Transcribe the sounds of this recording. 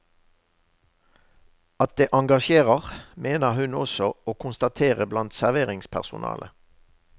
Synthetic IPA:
ɑt̪̚d̪eːʔɑŋɡɑʃeːʁəʁmeːnəhʉnɔ̰sɔoːkʰʊnst̪ɑt̪ʰeːʁəblɑnt̪sæʁʋeːʁɪŋspʰæ̰ʁsʊ̰nʔɑ̰ːlʔə

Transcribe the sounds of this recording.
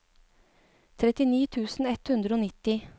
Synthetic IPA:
t̪ʰɾɛt̪ɪniːt̪ʰʉːsn̩ɛt̪hʉnd̪ɾəoːnɪt̪ːɪ

